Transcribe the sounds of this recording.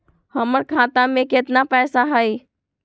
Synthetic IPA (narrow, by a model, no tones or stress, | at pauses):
həməɾkʰãt̪amẽket̪napɛsaɦəj